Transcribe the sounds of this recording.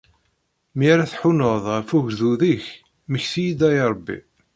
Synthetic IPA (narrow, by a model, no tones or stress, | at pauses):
mjaɾæθħʊnoðˤæfuʝðuðiç | məçθijid̪æjɾˤbːḭ